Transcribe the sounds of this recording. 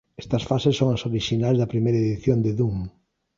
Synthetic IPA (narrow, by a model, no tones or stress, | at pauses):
ɛst̪ɐsfasesːoŋɐsoɾiʃinalzðɐpɾimejɾɐeðiθjond̪eðuŋ